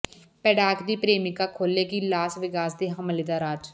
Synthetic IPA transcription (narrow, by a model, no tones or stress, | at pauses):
pɛːɖaːkd̪iːpɾeːmɪkaːkʰoːleːɡiːlaːsʋɪkaːsd̪eːɦəmliːd̪aːɾaːd͡ʒ